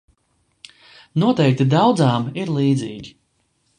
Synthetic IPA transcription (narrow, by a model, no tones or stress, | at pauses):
nuɔt̪ɛjk̚t̪id̪ɑwd̪zaːmiɾlˠiːd̪ziːɡʲi